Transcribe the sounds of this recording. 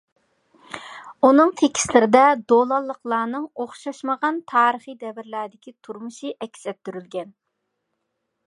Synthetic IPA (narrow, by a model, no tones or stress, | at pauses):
unɨŋt̪ʰekʲʰi̥slɪɾɪd̪ɛd̪olˠɑlˠːəqlˠɑːnɨŋoχʃɑʃməʁɑnt̪ʰɑːɾəχid̪ɛvɪɾlæd̪ɪkʲit̪ʰuɾmuʃiʔɛkʲsɛp̚t̪yɾylɡʲɛn